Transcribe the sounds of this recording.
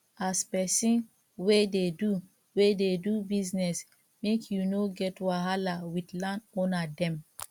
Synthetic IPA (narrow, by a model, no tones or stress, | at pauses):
aspɛsĩn | wededu | wededubiznɛs | mekʰjunoɡɛtwaɦalawidlãnɔnadɛ̃m